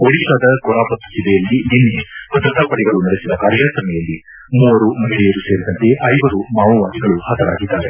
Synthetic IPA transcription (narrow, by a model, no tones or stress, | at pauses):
oɽikaːd̪ɐkɔɾaːpɐt̪ːu̥sid̪ɛjɐlːininːepɐd̪ɐt̪ːapɐɽɛɡɐɭunɐɽesid̪ɐkaːɾjasɐmɛjɐlːi | muːʋɐɾumɐɦiɭɛjɐɾuse̞ːɾid̪ɐnt̪e̞ʔɐjʋɐɾumaːʋɐʋaːsiɡɐɭuhɐt̪ɐɾa̰ːɡid̪ːaːɾe